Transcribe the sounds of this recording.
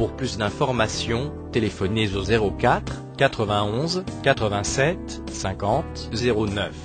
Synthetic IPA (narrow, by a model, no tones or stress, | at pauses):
puʁplysd̪ɛ̃fɔʁmasjɔ̃ | t̪elefɔnezozeʁokat̪χ | kat̪χəvɛ̃ɔ̃zkat̪χəvɛ̃sɛt̪ | sɛ̃kɑ̃t̪ | zeʁonœf